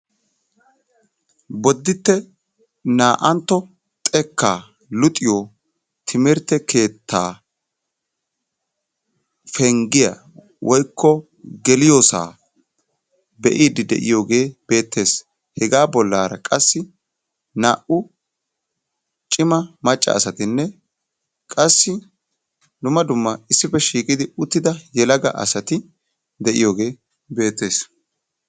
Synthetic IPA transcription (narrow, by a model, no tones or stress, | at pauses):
bɔd̪ːɪt̪ːɛ | naːʔɐnt̪ːɔ | t̪ʼɛkːaː | lʊt̪ʼɪjoː | t̪ʰɪmɪɾt̪ːɛkʰe̞ːt̪ːaː | fɛŋɡɪjɐ̰ | wʔɔjkʰːɔ | ɡɛlɪjoːsa̰ː | bɛʔiːd̪ɪd̪ɛ̰ʔɪ̰jo̞ːɡe̞ːb̥e̞ːt̪ːe̞ːs | hɛɡaːbɔlːaːɾɐ̰kʼɐsːɪ | na̰ːʔʊ | t͡ʃʼɪmɐmɐt͡ʃʼːɐ̰ːsɐt̪ɪnːɛ | kʼɐsːɪ | d̪ʊmːɐd̪ʊmːɐɪsːɪpɛʃiːkʼɪd̪ɪʊt̪ːɪd̪ɐjɛlɐɡɐ̰ʔɐ̰sɐt̪ɪ | d̪ɛʔɪjo̞ːɡe̞ː | be̞ːt̪ːe̞ːs